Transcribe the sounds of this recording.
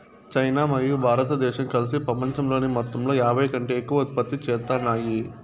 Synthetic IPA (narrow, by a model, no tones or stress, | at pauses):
t͡ʃɐjnaːmɐɾijubʱaːɾɐt̪ɐd̪ɛːʃɐmkɐlis̬ipɾɐpɐɲt͡ʃɐmlo̞ːnimɔt̪ːɐmlo̞ːjaːbʱɐjɐkɐɳʈe̞ːkːuʋɐt̪ipɐt̪ːit͡ʃɛːt̪ːaːnaːji